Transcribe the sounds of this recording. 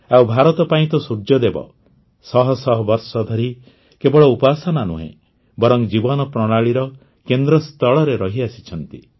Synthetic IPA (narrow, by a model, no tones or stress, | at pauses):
awbʱaɾɔt̪ɔpaĩt̪ɔsuɾd͡ʒjɔd̪ebɔ̰ | sɔɦɔsɔɦɔbɔɾsɔd̪ʱɔɾi | kebɔɭɔupasɔnanuɦḛ̃ | bɔɾɔŋd͡ʒibɔnɔpɾɔɽ̃aɭiɾɔ | kend̪ɾɔst̪ʰɔɭɔɾeɾɔɦiasi̥t͡ʃʰɔnt̪i